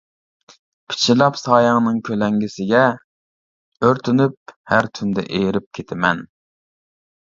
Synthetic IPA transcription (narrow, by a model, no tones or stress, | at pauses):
pʰi̥t͡ʃʰilˠɑpsɑːjɑŋnɨŋkʲʰølɛŋɡʲɪsɪɡʲɛ | øɾt̪ʰynyp̚hæɾt̪ʰynd̪ɛ̰ʔejɾɪp̚kʲʰet̪ʰɪmɛn